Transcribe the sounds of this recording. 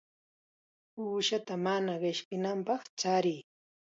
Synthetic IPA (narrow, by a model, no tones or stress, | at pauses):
uːʃat̪amanaɢɪʃkɪnampɑχt͡ʃaɾɪː